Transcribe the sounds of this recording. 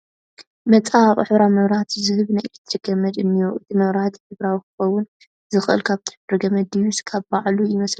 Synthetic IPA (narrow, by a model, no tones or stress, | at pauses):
mɐt͡sʼawχʼħɨβɾamɐβɾhat̪zɨhɨβnajʰɨ̥t̪ʰɾɨɡɐmɐd̪ɨnːijuʔɨt̪ʰimɐβɾhat̪ħɨβɾawikʰɨ̥xɐwʊn | zɨxʔɨ̰lkʰaβt̪ʰi̥ħɨɾɨɡɐmɐd̪ijuskʰaβbaʕlujɪmɐsl